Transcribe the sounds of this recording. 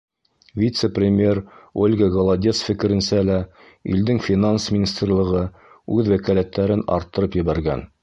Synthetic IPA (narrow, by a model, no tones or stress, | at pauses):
vʲit̪səprʲɪmʲe̞rolʲɡəɡolˠad̪ʲesfɘ̆kɘ̆ɾɘ̆nsælæ | ḭld̪ɘŋfʲinansmʲɪnʲist̪rlˠɤ̆ʁɤ | ʉðwækælæt̪ːæɾɘnɑ̰ɾt̪ːɤ̆ɾɤpjɘ̆βæɾɡæ̰n